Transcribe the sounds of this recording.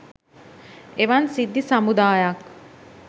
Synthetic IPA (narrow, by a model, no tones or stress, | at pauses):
eʋansid̪ːisamud̪aːjak